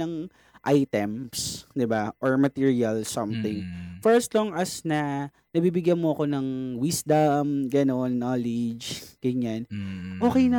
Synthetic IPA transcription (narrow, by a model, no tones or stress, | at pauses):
ɐŋ | ʔajt̪ɛmsd̪ɪbaʔoɹmɐt̪iɹiɐlsɐmθɪŋfɛɹɐsloŋʔɐsnɐ | nɐbiːbɪɡjɐnmoɐko̞nɐŋwisd̪ɐmɡɐno̞nːalɪd͡ʒɡ̥ɐɲːanʔo̞ːkɛjnɐ